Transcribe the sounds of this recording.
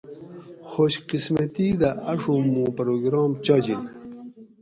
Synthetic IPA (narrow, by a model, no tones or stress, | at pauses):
xoɕqismat̪id̪aʔːʂomõːpɾoːɡɾɑːmt͡ɕad͡ʑin